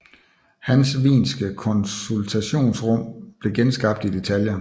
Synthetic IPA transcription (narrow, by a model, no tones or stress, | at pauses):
hænsʋḭːnsɡ̥əkʰɒ̽nsult͡sʰæɕo̝̰ːnsʁɔ̽m̰b̥le̝ɡ̥ensɡ̥ɑ̈b̥d̥id̥e̝t͡sʰæljɐ